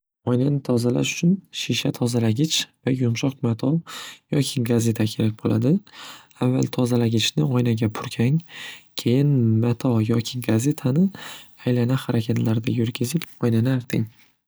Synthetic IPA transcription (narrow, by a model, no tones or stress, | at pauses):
ɒjnanɪt̪ʰɒzala̰ʃʊ̥t͡ʃʰʊnʃiʃat̪ʰɒzalaɡʲɪt͡ʃvajʊmʃɒqmat̪ʰɒjɒkʲʰɪɡaze̞t̪ʰakʲʰe̞ɾak̚ʲbolʔa̰d̪ɪ | avːa̰lˠt̪ʰɒzalaɡʲɪt͡ʃʰnɪɒjnaɡʲapʰʊɾkʲʰaŋkʲʰe̞jɪnmat̪ʰɒjɒkʲʰɪɡaze̞t̪ʰanɪajlanahaɾakʲʰat̪ʰlaɾd̪ajʊɾɡʲɪzɪpɒjnanɪaɾt̪ʰɪŋ